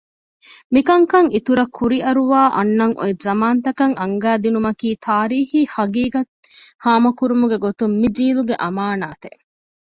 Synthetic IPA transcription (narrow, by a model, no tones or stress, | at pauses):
mikɐŋkɐŋit̪uɾɐkʰuɾiʔɐɾuʋaːʔɐ̰nːɐŋʔo̰ezɐmaːnt̪ɐkɐŋʔɐŋɡæːd̪inumɐkiːt̪ʰaːɾiːhiːhɐɡiːɡɐt̪ | haːmɐkuɾumuɡeɡot̪umːid͡ʒiːluɡeʔɐmaːnaːt̪e